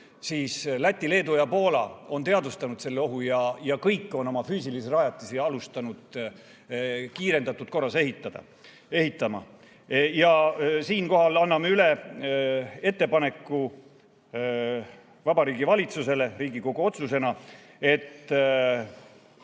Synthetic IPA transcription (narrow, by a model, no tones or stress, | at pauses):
siːslæt̪ʲːile̞ːd̪ujɑpo̞ːlɑ̰o̞nt̪e̞ɑd̪ust̪ɑnud̪̥se̞lːeo̞ɦujɑjɑkɤjkˑːo̞no̞mɑfyːsilisrɑjɑt̪ːˑisiɑlust̪ɑnud̪̥ | kiːɾe̞nd̪ɑt̪ːˑut̪̚ko̞rːɑse̞ɦit̪ːˑɑd̪̥ɑ̰ | e̞ɦit̪ˑːɑmɑ̰ | jɑsiːnko̞ɦɑlɑnːɑmeyle | e̞t̪ːe̞pɑne̞kːˑu | vɑbɑɾiːɡivɑlʲit̪suse̞le̞ɾiːɡiko̞ɡ̥uo̞t̪suse̞nɑ | e̞t̪ːˑ